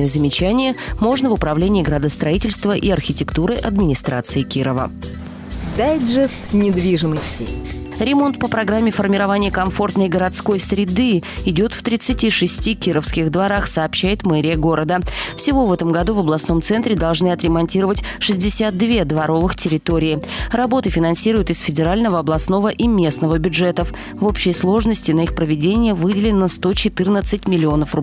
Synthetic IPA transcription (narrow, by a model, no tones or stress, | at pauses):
ɨjəzəmʲɪt͡ɕænʲɪjəmo̞ʐnəvʊpɾɐvlʲenʲɪːɡɾəd̪əst̪ɾɐitʲɪlʲst̪vəʔiɐrxʲɪtʲɪkt̪uɾɨʔɐd̪mʲɪnʲɪst̪ɾat̪sɨɪkʲiɾəvə̰ | d̪ajdʐɛst̪nʲɪd̪vʲiʐɨməsʲtʲɪ | ɾʲɪmo̞nt̪pəpɾɐɡɾamʲːɪfərmʲɪɾɐvanʲɪjəkɐɱfo̞rt̪nəjɡəɾɐt̪sko̞jsɾʲɪd̪ɨɪdʲo̞t̪ft̪ɾʲɪt̪sɨtʲiʂɨsʲtʲikʲiɾəfskʲɪxd̪vɐɾaxsɐːpɕːæjɪt̪mɛɾʲɪjəɡo̞ɾəd̪əfsʲɪvo̞vɛt̪əmɡɐd̪uvəblˠɐsno̞mt̪sɛnt̪ɾʲɪd̪ɐlˠʐnɨɐt̪ɾʲɪmɐnʲtʲiɾəvətʲ | ʂɨzʲdʲɪsʲat̪̚d̪vʲe̞d̪vɐɾo̞vɨxtʲɪɾʲɪt̪oɾʲɪɪrɐbo̞t̪ɨfʲɪnɐnsʲiɾʊjʊt̪ɪsfʲɪdʲɪɾalʲnəvəɐblˠɐsno̞vəʔimʲe̞snəvəbʲʊdʐɛt̪əf | vo̞pɕːɪjəslˠo̞ʐnəsʲtʲɪnɐixpɾəvʲɪdʲenʲɪjəvɨdʲɪlʲɪnːəst̪o̞t͡ɕɪt̪ɨrnət̪sɨt̚ʲmʲɪlʲɪo̞nəfrʊb